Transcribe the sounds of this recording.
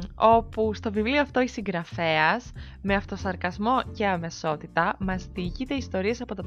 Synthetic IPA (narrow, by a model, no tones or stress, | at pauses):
o̞pust̪o̞vivlio̞ɐft̪o̞isiŋɡɾɐfe̞ɐs | me̞ɐft̪o̞sɐɾkɐzmo̞ce̞ɐme̞so̞t̪it̪ɐmɐzðiʝit̪e̞ist̪o̞ɾie̞sɐpo̞t̪ɐ